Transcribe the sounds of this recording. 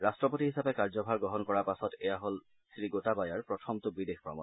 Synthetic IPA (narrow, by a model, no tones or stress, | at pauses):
ɹastɹɔpotiɦisapɛkaɹzɔbʱaɹɡɹɔɦɔnkɔɹapasɔtɛjaɦol | sɹiɡotabajaɹpɹɔtʰɔmtʊbidexpɹɔ̰mɔ̰n